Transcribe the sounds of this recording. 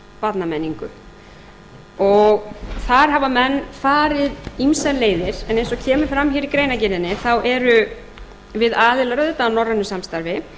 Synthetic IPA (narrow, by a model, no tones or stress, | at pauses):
pat̪namenːiŋkʏ | ɔɣθaɾ̥ɦavamɛnːfaːɾɪðimsaleːjðɪɾ̥ɛnejnsɔcʰɛːmʏ̥fɾamçɛːɾikɾeːjnacɪɾðɪnːɪθawʔɛɾʏ | vɪðaːðɪlaɾœðɪt̪aːnɔrːanːʏsamst̪aɾvɪ